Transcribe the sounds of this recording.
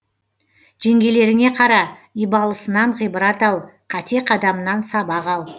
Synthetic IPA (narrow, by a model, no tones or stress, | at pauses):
ʒ̥eŋɡʲe̞le̞ɾɪŋe̞qʰɑɾɑijbɑlˠəsənɑɴʁijbɾɑt̪ɑlˠqʰɑt̪e̞qʰɑd̪ɑmənɑnsɑbɑʁɑlˠ